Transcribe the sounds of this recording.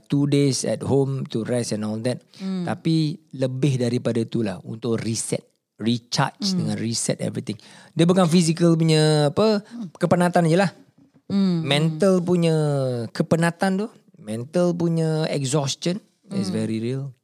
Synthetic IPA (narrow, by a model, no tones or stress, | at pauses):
t̪udesɛ̰t̚homt̪uɹasɛ̃nɔld̪ɛt̪̚t̪a̰piləbɪhdaɾipadat̪ula̰hṵnt̪ʊkrisɛ̰t̪̚ | rit͡ʃa̰t͡ʃdəŋãnɹisɛ̰t̪̚ɛ̰vɾit̪ɪ̃ŋdiəbukanfisikəlp̬uɲəapəkəpənãt̪and͡ʒəlah | mɛ̃nt̪əlpuɲə̃kəpənãt̪ant̪u | mɛ̃nt̪əlpuɲə̃ɛ̰kzɔst͡ʃən | ɪ̰svɛɾiɾiəl